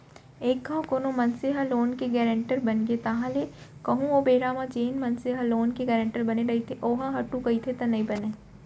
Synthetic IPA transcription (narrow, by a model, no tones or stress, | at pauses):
eːkɡãkoːnomɐnseɦɐloːnkeɡɛːɾẽɳʈəɾbɐnɡet̪aːɦãlekɐɦũʋobeːɾaːmãd͡ʒeːnmɐnseɦɐloːnkeɡɛːɾẽɳʈəɾbɐneɾɐit̪ʰeʔoːɦãɦɐʈukɐit̪ʰet̪ɐnɐĩbɐneː